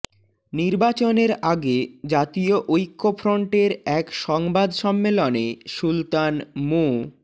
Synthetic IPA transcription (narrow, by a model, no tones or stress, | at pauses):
niɾbat͡ɕoneɾaɡed͡ʑat̪ioʔojkʰːofʰɾoɳʈeɾɛkʃɔŋbad̪ʃɔmːeloneʃult̪anmo